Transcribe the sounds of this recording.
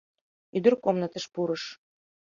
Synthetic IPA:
yd̪ə̆rkomnə̆t̪ə̆ʃpuɾɤʃ

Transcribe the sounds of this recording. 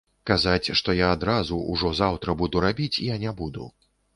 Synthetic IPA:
kazat͡sʲʂt̪ɔjaːd̪ɾazuuʐɔzawt̪ɾɐbud̪uɾabʲit͡sʲijanʲɛbud̪ṵ

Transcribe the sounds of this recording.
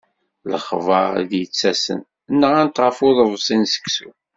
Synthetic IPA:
ləχvəðjət͡sːæsə̰n | nːəʁænt̪ʁəfʊðˤəðˤsˤinsə̥ksṵ

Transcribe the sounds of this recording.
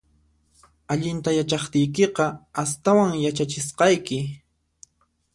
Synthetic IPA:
aʎɪnt̪ajat͡ʃɑχt̪ɪjkeqɑast̪awaŋjat͡ʃat͡ʃɪsqɑjkɪ

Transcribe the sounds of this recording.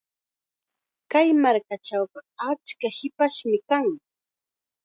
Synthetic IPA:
kajmaɾkat͡ʃawɢɑat͡ʃkahɪpaʃmɪkaŋ

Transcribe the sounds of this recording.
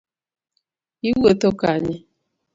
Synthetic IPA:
iwotokaɲi

